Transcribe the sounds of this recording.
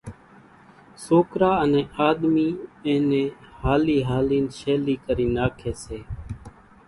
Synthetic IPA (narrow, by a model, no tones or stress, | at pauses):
soːkɾaːənẽːʔaːɗ̪miːẽːnẽːhaːliːɦaːliːnʃeːliːkəɾiːnaːkʰeːseː